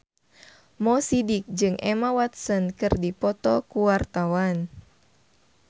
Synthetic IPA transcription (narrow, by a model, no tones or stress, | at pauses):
mɔsidik̚d͡ʒɨŋʔɛmawat̪̚sɔnkɨrdipɔt̪ɔkuwart̪awan